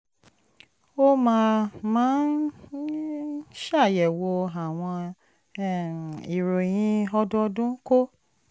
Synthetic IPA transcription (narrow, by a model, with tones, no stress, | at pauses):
o˦mãː˦˧mãː˦n | ʃa˦˨jɛ˨wo˧a˨w̃ɔ̃˧˦˨ | i˨ɾo˨j̃ĩ˧ɔ˧dɔ˦dũ˦ko˦